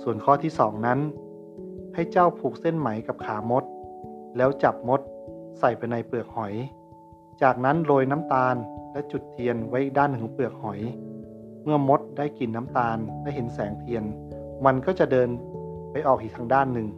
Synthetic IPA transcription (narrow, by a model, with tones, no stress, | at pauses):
su˨˩ənkʰɔː˧˥˩t̪ʰiː˥˩˨sɔː˩˦ŋna˦˥n | ha˥˩jt͡ɕa˥˩wpʰuː˨˩k̚se˥˩˨nma˩˦jka˨˧˩p̚kʰaː˩˦mo˦˥t̪̚lɛː˦˥wt͡ɕa˨˩p̚mo˦˥t̪̚sa˨˩jpa˨jna˧˩jpɯ˨˩ək̚hɔ˨˩˦j | t͡ɕaː˨˩k̚na˦˥nloː˧jna˦˥˨mt̪aː˧nlɛ˦˥t͡ɕu˨˩t̪ʰːi˧ənwa˦˥jʔi˨˩daː˥˩˨nːɯ˨˩˨pɯ˨˩ək̚hɔ˨˩˦j | mɯ˥˩ɐmo˦˥t̪̚daː˥˩˨jki˨˩nːa˦˥mt̪aː˧nlɛ˦˥ɦe˩˦nsɛː˩˦ŋt̪ʰi˧ənma˧nkɔː˥˩t͡ɕa˨˩dɤː˧npa˧jʔɔː˨˩k̚ʔiː˨˩t̪ʰaː˧ŋdaː˥˩nːɯ˨˩ŋ